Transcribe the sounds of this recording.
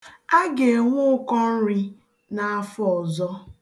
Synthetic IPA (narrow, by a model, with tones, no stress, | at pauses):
a˦ɡe˨ŋʷʊ˦ʊ˦kɔ˦n̩˦ɾi˦ | na˨a˦fɔ˨zɔ˦